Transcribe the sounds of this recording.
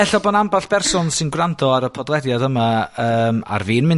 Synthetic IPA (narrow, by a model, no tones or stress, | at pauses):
ɛɬɔbɔnambaɬb̥ʰɛrsɔnsɪnɡrandʰɔaɾəpʰɔdlˠɛdjadəmaəːma̰rviːnmɪn